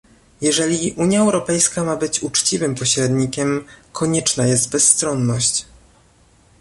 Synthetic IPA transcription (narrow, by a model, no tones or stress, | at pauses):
jɛʐɛlʲiʔuɲjaɛwɾɔpɛjskamabɘt͡ɕut͡ʂt͡ɕivɘmpɔɕɾɛd̪ɲikʲɛmkʰɔɲɛt͡ʂnajɛst̪bɛsːt̪ɾɔnːɔɕt͡ɕ